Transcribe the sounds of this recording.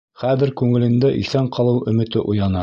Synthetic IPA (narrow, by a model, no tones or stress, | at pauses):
χæðɘ̆ɾkʉŋɘ̆lɘ̆nd̪æʔiθæɴqʰɑlˠɤwʔɵ̆mɘ̆t̪ɘʔujɑnɑ